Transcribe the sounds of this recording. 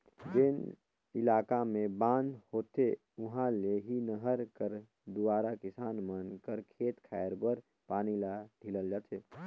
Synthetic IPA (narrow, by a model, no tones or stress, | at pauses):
d͡ʒen | ɪlaːkamẽbãːnhoːt̪e | ʊɦãleɦinəɦəɾkəɾ | d̪uaːɾakɪsaːnmənkəɾkʰeːt̪kʰɛːjəɾbəɾ | paːnilaɖʱiləld͡ʒaːt̪ʰeː